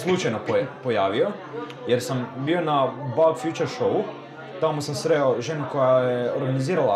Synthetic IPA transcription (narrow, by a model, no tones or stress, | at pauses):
slˠut͡ʃajno̞popo̞jaːʋio̞ | jeɾsambio̞nabalfjut͡ʃeɾʃou | t̪amosamsɾeoʒenuko̞jajeoɾɡaniziːɾala